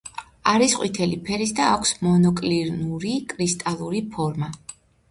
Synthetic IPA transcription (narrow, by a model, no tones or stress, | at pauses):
aɾisqʼwḭt̪ʰɛlipʰɛɾisd̪aːkʷʰsmɔnɔkʼliɾnuɾikʼɾist̪ʼalˠuɾipʰɔɾma